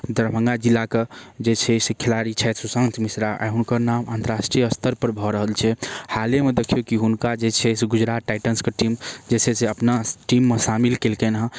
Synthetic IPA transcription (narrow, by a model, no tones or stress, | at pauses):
d̪əɾbʱə̃ŋɡad͡ʒilːaked͡ʒet͡ʃʰɛsekʰelaɾit͡ʃʰɛt̪susə̃nt̪ʰmisɾaʔa̰ɦunkəɾnamant̪əɾasʈɾijəst̪əɾpəɾbʱɔɾəɦəlt͡ʃʰɛhalemed̪ekʰijokiɦunkad͡ʒet͡ʃʰɛsɡud͡ʒɾat̪ʈajʈənskeʈimd͡ʒeseseəpnaʈimːesamilkelkenɦã